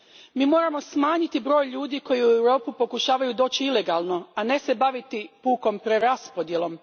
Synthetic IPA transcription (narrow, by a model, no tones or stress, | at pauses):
miːmo̞ːɾamo̞smaːɲit̪ibɾo̞ːjʎuːd̪iːko̞jiuewɾo̞ːpupo̞kuʃaːʋajud̪o̞ːt͡ɕiile̞ɡaːlˠno̞ane̞se̞baʋit̪ipuːko̞mpɾeɾaspo̞d̪je̞lo̞m